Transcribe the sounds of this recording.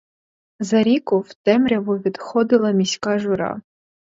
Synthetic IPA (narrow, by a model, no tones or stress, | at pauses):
zɐɾʲikʊwt̪ɛmɾʲɐʋʊʋʲid̪xɔd̪ɪlˠɐmʲisʲkɑʒʊɾɑ̰